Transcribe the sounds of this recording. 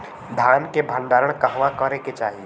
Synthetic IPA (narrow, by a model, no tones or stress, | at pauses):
d̪ʱaːnkebʱənd̪aːɾəɽ̃kəɦʋãkəɾeket͡ʃaːɦi